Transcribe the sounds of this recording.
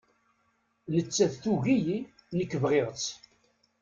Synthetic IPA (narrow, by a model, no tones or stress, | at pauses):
nət͡sːæðθuʝiji | nəkːəvʁeʁt͡s